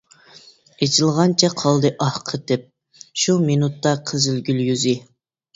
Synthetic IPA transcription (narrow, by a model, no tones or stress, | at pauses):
et͡ʃʰilˠʁɑnt͡ʃʰɛqʰɑlˠd̪ɨʔɑhqʰəd̪ɛp̚ | ʃuminut̪ːɑqʰəzɪlɡʲyljyzɪ